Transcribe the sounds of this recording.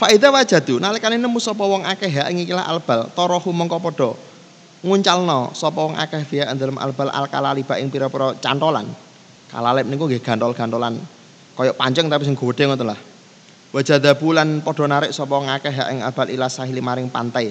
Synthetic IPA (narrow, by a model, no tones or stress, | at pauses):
faʔid̪awad͡ʒ̥a̤d̪̥unalikaninəmusɔpɔwɔŋakɛɦaʔɪŋikilaha̰lb̥a̤lt̪ɔɾɔhumɔŋkɔpɔɖ̥ɔ̤ | ŋuɲt͡ʃalnɔsɔpɔwɔŋa̰kɛfiaʔnd̪ələmʔa̰lb̥ala̰lka̰lalib̥a̤ʔɪŋpiɾɔpiɾɔt͡ʃant̪ɔla̰n | ka̰lalɪp̚nikuŋɡeɡ̥a̤nɔlɡ̥a̤nt̪ɔlan | kɔjɔʔpaɲt͡ʃəŋt̪apis̬əŋɡɔwd̥̪ɛŋɔt̪əlah | wad͡ʒ̥a̤d̪abulanpɔɖ̥ɔ̤naɾɪʔsɔpɔwɔŋakɛɦaʔɪŋalb̥a̤lilahsaɦilimaɾɪŋpa̰nt̪aj